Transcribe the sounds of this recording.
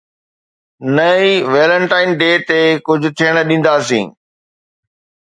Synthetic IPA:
nɐiʋeːlə̃ɳʈaːɪnɖeːt̪ekʊd͡ʑʱʊ̆t̪ʰiəɽ̃ə̆ɗĩːn̆d̪aːsḭ̃ː

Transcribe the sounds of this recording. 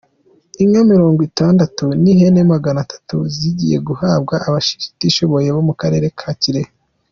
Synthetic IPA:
iŋamiɾo̞ːŋɡwitaːndatunihe̞nemaɡanatḁtuziɟḭje̞̰ɡuhaːbɡaʔːβaʃi̥ʃi̥tiʃo̞βo̞je̞βo̞mukaɾe̞ːɾe̞kʰaːciɾeh

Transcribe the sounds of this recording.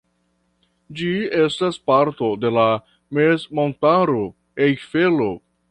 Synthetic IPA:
d͡ʒie̞staspaɾto̞de̞la | mesmontaɾo | ejfelo̞

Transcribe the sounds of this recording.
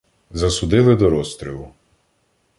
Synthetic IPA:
zɐsʊd̪ɪlˠɪd̪ɔɾɔst̪ɾʲilˠʊ

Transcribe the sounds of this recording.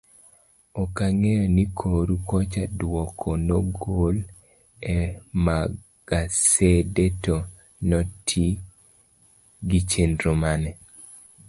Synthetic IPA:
ɔkaŋejɔnikʰoɾukɔt͡ʃadwɔkʰonɔɡol | ɛma | ɡ̥asedeto | nɔtʰi | ɡit͡ʃendɾomanɛ

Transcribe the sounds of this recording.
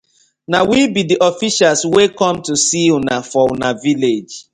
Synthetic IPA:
nawibidiʔɔfiʃalswekɔ̃mtusinafɔnaviled͡ʒ

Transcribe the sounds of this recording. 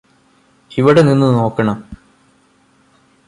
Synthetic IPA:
iʋiɽeninːɨno̞ːkːɐɳɐm

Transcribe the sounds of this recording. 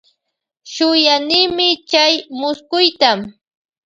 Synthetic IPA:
ʃʊjanɪːmɪt͡ʃajmʊskʊjt̪am

